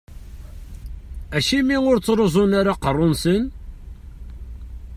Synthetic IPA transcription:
æʃimiʊɾt͡sːɾozˤʊnaɾaqərˤːʊnsən

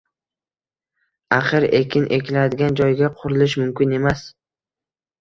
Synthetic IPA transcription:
aqɨɾe̞kʰʲɪnʔe̞kʲʰɪlad̪ɪɡʲand͡ʒɒjɡʲaqʰʊɾɪlɪʃmʊmkʲɪne̞mas

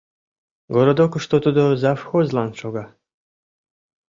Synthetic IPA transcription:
ɡoɾod̪okuʃt̪ot̪ud̪ozafxozlˠɑnʃoɡɑ

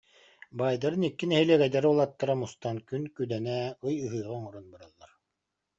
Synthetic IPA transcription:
baːjd̪aɾɯnikːinɛɦilɛɡɛjd̪aɾɯulˠat̪ːaɾamust̪ankynkyd̪ɛnɛɯjɯɦɯːʁɯŋɔɾɔnbɯɾalˠːaɾ

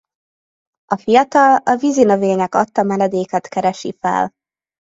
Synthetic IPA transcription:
ʔɒfijɒt̪ɒlɒvizinøveːɲɛkɒt̪ːɒmɛnɛd̪eːkɛt̪kɛɾɛʃḭfɛ̰l

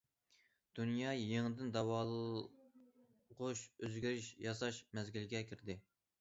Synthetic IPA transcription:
d̪̥unjɑjeŋɨd̪ɪnd̪ɑwɑːlˠ | ʁʊʃøzɡʲyɾɪʃjɑsɑʃmɛzɡʲilɡʲɛkʲʰiɾd̪ɪ

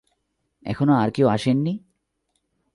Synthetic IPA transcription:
ɛ̰kʰonoaɾkewaʃenːi

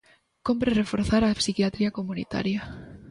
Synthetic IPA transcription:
kompɾerefoɾθaɾapsikjat̪ɾiakomunḭt̪a̰ɾja

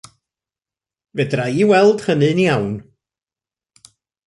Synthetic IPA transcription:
vɛdrajiwɛlˠd̥χənɨnjawn

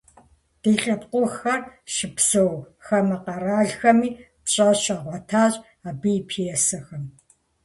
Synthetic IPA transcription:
d̥iːɬʼɐpqʷʊxɐrʃɪpsɨw | xɐmɐqɐraːɮxɐmiː | pɕʼɐɕɐʁʷɔtʰaːɕʼ | aːbɨpʰijɛsɐxɐm

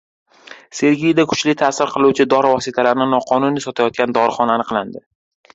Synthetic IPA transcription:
se̞ɾɡʲijd̪akʰʊ̥t͡ʃlɪt̪ʰasɪɾqʰɨlˠuwt͡ʃʰɪd̪ɒɾɪvɒsɪt̪ʰalaɾnɪnɒqʰɒnʊnisɒt̪ʰajɒt̪̚kʲand̪ɒɾχɒnanɪqlˠand̪ɪ

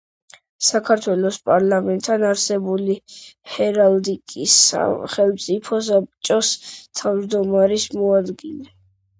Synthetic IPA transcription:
sakʰaɾt̪ʰwɛlɔspʼaɾlˠamɛnt̪ʼʰːanaɾsɛbulihɛɾald̪ikʼisa̰χɛlˠmt̪sʼipʰɔsap̚ʼt͡ʃʼɔst̪ʰavd͡ʒd̪ɔmaɾismɔad̪ɡilɛ

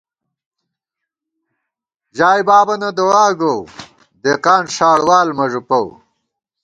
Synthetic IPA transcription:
ʑaːjbaːbɐnɐd̪owaːɡow | d̪eːqaːnʂaːɽwaːlmɐʐupɐw

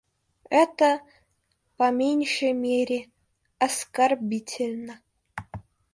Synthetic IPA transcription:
ɛt̪ə | pɐmʲenʲʂəjmʲeɾʲe | ɐskarbʲitʲʰɪlʲnə

